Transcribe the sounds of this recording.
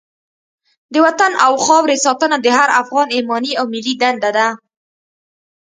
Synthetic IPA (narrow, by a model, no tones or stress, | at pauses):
d̪əwat̪anʔawxɑwɾesɑt̪ənad̪əɦaɾafɣɑnemɑniawmɪlːid̪and̪ad̪a